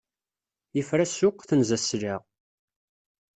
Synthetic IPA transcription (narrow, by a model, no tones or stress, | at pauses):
jəfɾæsʊqːθənzæslaʁ